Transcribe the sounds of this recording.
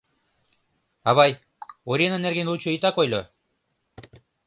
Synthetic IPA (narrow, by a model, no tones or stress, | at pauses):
aβaj | oɾienaneɾɣenlut͡ʃoit̪akojlʲo